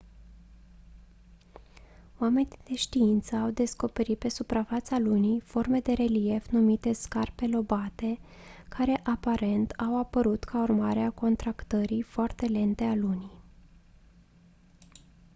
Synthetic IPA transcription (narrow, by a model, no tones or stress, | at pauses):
wame̞nid̪̥e̞ʃt̪iint̪səawd̪e̞sko̞pe̞ɾit̪̚pe̞supɾafat̪salunijfo̞rme̞d̪e̞ɾe̞lije̞fnumit̪e̞skarpe̞lo̞bat̪e̞ | kʰaɾe̞ʔapaɾe̞nt̪ʰawapəɾut̪kʰaurmaɾeako̞nt̪ɾakt̪əɾifoart̪e̞le̞nt̪e̞aluni